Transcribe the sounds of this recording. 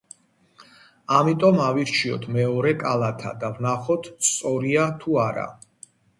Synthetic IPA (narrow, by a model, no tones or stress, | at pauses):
amit̪ʼɔmaviɾt͡ʃʰiɔ̰t̪ʰmɛɔɾɛkʼalˠat̪ʰa̰d̪avnaχɔt̪ʰst̪sʼɔɾiat̪ʰuaɾa̰